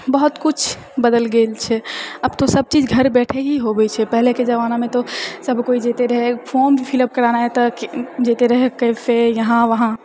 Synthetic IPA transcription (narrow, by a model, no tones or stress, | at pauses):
bəɦut̪kut͡ʃʰ | bəd̪əlɡelt͡ʃʰɛəbt̪osəb̚t͡ʃid͡ʒɡʱəɾbɛʈʰeɦiɦobɛt͡ʃʰɛpəɦleked͡ʒəʋanamẽt̪osəbʱkoid͡ʒet̪eɾəɦepʰoɾmbʱipʰiləb̚kəɾanaɦet̪ɔd͡ʒet̪eɾəɦekəpʰejəɦãʋəɦã